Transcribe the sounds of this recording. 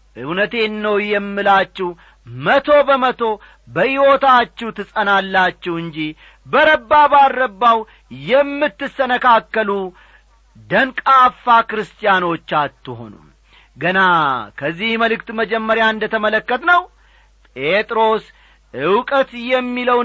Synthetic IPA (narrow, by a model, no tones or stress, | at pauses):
ʔɨwnət̪e̞nːəwjɛmːɨlat͡ʃːɛw | mət̪ʰo̞bəmət̪ʰo̞ | bəʔɪwo̞t̪at͡ʃːɛwt̪ʰɨsʼənalːat͡ʃːɛhɨɲd͡ʒi | bəɾəbːabarːəbːaw | jɛmːɨt̪ːɨsənəkakːəlu | d̪ənkʼafːakɾɨst̪ʼijano̞t͡ʃːat̪ːɨho̞̰nṵ | ɡənakʰəzːihməlɨkt̪məd͡ʒɛmːəɾjaɨnd̪ət̪ʰəmələkːət̪nəw | pʼe̞t̪ʼɾo̞s | ɨwkʼət̪jɛmːiləw